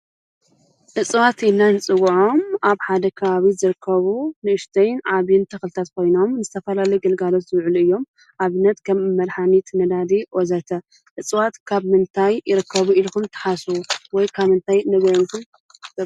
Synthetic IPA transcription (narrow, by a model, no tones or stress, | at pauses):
ʔɨt͡sʼwat̪ɪnːanɨt͡sʼɨɣuʕo̞maβħad̪ɐkʰɐβaβizɨɾɨkʰːɐβunɨʔɨʃt̪ʰɐjnʕaβint̪ʰɐxlɨt̪ʰat̪kʰo̞jno̞mnɨzɨt̪ʰɐfɐlalɐjɡɐlɡalo̞t̪zɨβʕɨlɨjːo̞m | ʔaβɨnːɐt̪kʰɐmmːɐɾħanit̪ʰnɐd̪ad̪iʔɔzɐt̪ʰɐ | ʔɨt͡sʼwat̪kʰaβmɨnt̪ʰajɪɾɨkʰːɐβuilkumt̪ʰɨ̥ħaswɔjkʰaβmɨnt̪ʰajnɐβɐjonkʰum